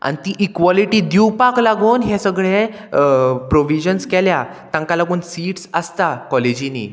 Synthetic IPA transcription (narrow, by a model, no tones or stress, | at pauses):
a̰nit̪iʔikʋɔliʈiːd̪iwpaklaɡuːnɦesəɡɭe | pɾoʋid͡ʑənskɛlja | t̪ãŋkalaɡuːnsiːʈsəst̪akɔled͡ʑinḭː